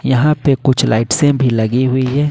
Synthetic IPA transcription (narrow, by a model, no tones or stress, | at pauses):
ɲaɦapɛkut͡ʃalʔa̰jʈsɛmbilaɣiwijɛ